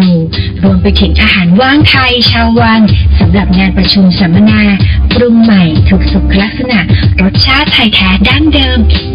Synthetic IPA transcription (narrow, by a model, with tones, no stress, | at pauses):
uː˧˩ | ɾu˧əmpa˧jt̪ʰi˩˦ŋt̪ʰaː˧haː˩˦nwaː˥˩ŋt̪ʰa˧jt͡ɕʰaː˧wːa˧nsa˩˦mɾa˨˩p̚ŋaː˧npɾa˧t͡ɕʰu˧msa˩˦ma˧naː˧kɾu˧mːa˨˩jt̪ʰuː˨˩k̚su˨˩kʰːa˧la˦˥k̚sa˧na˨˩ʔɾo˦˥t̪̚t͡ɕʰaː˥˩t̪ʰːa˧jt̪ʰɛː˦˥daː˥˩ndɤː˧m